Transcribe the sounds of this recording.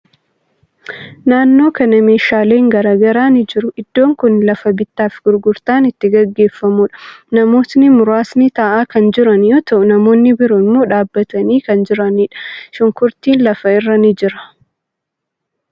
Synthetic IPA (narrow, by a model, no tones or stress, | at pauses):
naːnːo̞ːkɐnɐme̞ːʃaːle̞ːŋɡɐɾaːɡɐɾaːnɪd͡ʒɪɾʊʔɪd̪̥ːo̞ːŋkʊnlɐfɐbɪt̪ːaːfɡ̥ʊɾɡʊɾt̪aːnɪt̪ːɪɡɐɡːe̞ːfːɐmuːᶑɐ̥nɐmo̞ːsnɪmʊɾaːsnɪt̪aːʔaːkɐnd͡ʒɪɾɐnjoːt̪ɐʔʊnɐmo̞ːnːɪbɪɾʊɪmːo̞ːᶑaːbːɐt̪ɐniːkɐnd͡ʒɪɾɐniːᶑɐ̥ʃʊŋkʊɾt̪iːnlɐfɐɪrːɐnɪd͡ʒɪɾɐ̥